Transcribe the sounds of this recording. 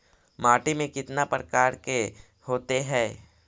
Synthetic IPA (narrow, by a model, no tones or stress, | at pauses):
maːʈimẽkɪt̪napɾəkaːɾke | hoːt̪eɦɛː